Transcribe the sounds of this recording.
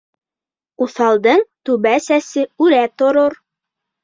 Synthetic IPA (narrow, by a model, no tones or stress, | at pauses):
uθɑlˠd̪ɤɴt̪ʉβæsæsɘʉɾæt̪ŏɾoɾ